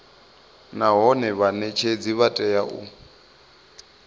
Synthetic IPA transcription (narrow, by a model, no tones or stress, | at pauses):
naɦɔnɛβanɛt͡ʃʰed͡ziβatʼɛjaʔṵ